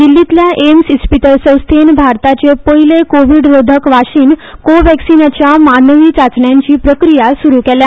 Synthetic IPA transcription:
d̪ilːit̪ljaʔemsuspiʈəlsə̃w̃st̪ʰenbʱaɾt̪at͡ɕepəilekoʋiɽɾod̪ʱəkʋaɕiːnkoʋɛksinat͡ɕjamanəʋiːt͡sat͡sɳjãɲt͡ɕiːpɾəkɾijasuɾukɛlja

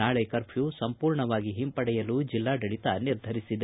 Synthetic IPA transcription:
aːɭɛkɐɾpʰjuːsɐmpuːɾɳɐʋaːɡiɦimpɐɽɛjɐluːd͡ʒilːaːɖɐɽit̪ɐniɾd̪ʱɐɾisid̪e

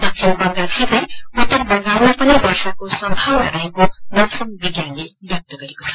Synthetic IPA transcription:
dʌkʰimbʌŋɡasibʱʌjut̪ːʌɾbʌŋɡawmapʌnid̪ʱʌrsakosʌmbʱawna̰ɾʌɦekonʌsʌnbiɡjanlebjʌk̚t̪ʌɡʌɾekot͡sʰʌ̥

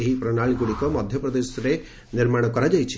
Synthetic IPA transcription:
eɦipɾɔnaɭikuɽikɔmɔd̪ʱjɔpɾɔd̪esɔɾe | niɾmaɽ̃ɔkɔɾad͡ʒajt͡ʃʰi̥

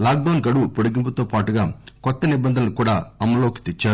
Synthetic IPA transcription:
laːk̚ɖɐwnɡɐɽupoɽuɡimp̬ɐt̪oːpaːʈuɡaːkɔt̪ːɐnibɐnd̪ʱɐnɐlukuːɽaːɐmːɐlo̞ːki̥t̪et͡ʃːaːɾu

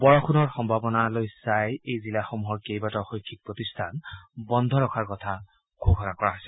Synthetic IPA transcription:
bɔɹɔkʰunɔɹxɔmbʱabɔnalojsajejzilaxomuɦɔɹkejbatɔxojkʰːik̚pɹot̪istʰanbɔnd̪ʱɔɹɔkʰaɹkɔt̪ʰa | kʰubʱɔnakɔɹaɦojsɛ

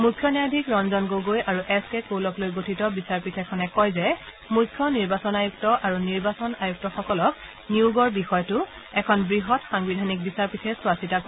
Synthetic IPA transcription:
mukʰːjɔnɛjadʱikɹɔnzɔnɡoɡojaɹuʔɛskɛkowlɔklojɡotʰitɔbisaɹpitʰɛkʰɔnɛkɔjzɛ | mukʰjɔniɹbasɔnajuk̚tɔʔaɹuniɹbasɔnajuk̚tɔxɔkɔlɔk | niuɡɔɹbixɔjtʊ | ɛkʰɔnbɹiɦɔtxaŋbidʱanik̚bisaɹpitʰɛswasitako

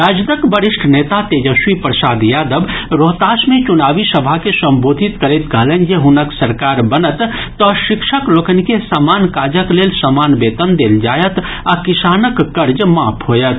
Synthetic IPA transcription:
ɾaːd͡ʒd̪əkbəɾɪʃʈʰneːt̪at̪eːd͡ʒəʃwipɾəsaːd̪jaːd̪əbɾoːɦt̪aːsmẽt͡ʃʊnaːʋisəbʱakesə̃mboːd̪ʱit̪kəɾet̪kəɦlənjeɦʊnəksəɾkaːɾbənət̪ː | ɔʃɪkʃəkloːkənkesamaːnkaːd͡ʒəkleːlsəmaːnbeːt̪ənd̪eːld͡ʒaːjət̪ | akɪsaːnəkːəɾd͡ʒmaːpʰɦoːjət̪

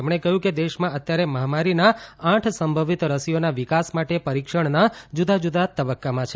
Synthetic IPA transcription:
emɽ̃ekəɦjũked̪eʃmãət̪jaɾeməɦamaɾinaãʈʰsəmbʱəʋit̪ɾəsijonaʋikasmaʈepəɾikʃəɳnad͡ʒud̪ad͡ʒud̪ʱat̪əbəkːamãt͡ʃʰe

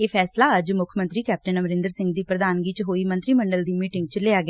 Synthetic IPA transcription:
eːpʰɛːslaːəd͡ʒmʊkʰmə̃nt̪ɾiːkɛːp̚ʈənəməɾɪ̃nd̪əɾsɪ̃ŋɡd̪iːpɾəd̪aːnɡiːt͡ʃɦoːiːmə̃nt̪ɾiːməɳɖəld̪iːmiːʈɪ̃ŋɡt͡ʃleːaːɡɪ

